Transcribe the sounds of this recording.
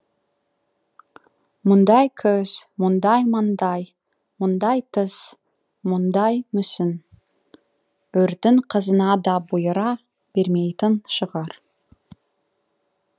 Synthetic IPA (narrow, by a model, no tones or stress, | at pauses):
mʊnd̪ɑjkʰɵz̥mʊnd̪ɑjmɑnd̪ɑj | mʊnd̪ɑjt̪əz̥ | mʊnd̪ɑjmʏsɪn | ɵɾd̪ɪŋqʰəzənɑd̪ɑbujəɾɑ | b̥eɾme̞jt̪ɪnʃəʁɑɾ